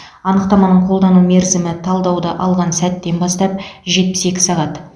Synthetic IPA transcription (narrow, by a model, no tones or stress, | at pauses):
ɑnəqt̪ɑmɑnəɴqʰo̞lˠd̪ɑnume̞ɾzɪmɪt̪ʰɑlˠd̪ɑwd̪əʔɑlˠʁɑnsæt̪ːe̞nbɑst̪ɑp̚ʒe̞t̪̚pɪse̞kʲɪ̥sɑʁɑt̪